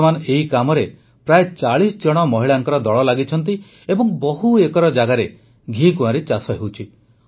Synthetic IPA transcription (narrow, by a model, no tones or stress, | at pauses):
manɔeɦikamɔɾe | pɾaet͡ʃaɭisd͡ʒɔɽ̃ɔmɔɦiɭaŋkɔɾɔd̪ɔɭɔlaɡit͡ʃʰɔnt̪̬i | ebɔŋbɔɦuekɔɾɔd͡ʒaɡaɾe | ɡʱĩkũaɾit͡ʃasɔɦewt͡ʃʰi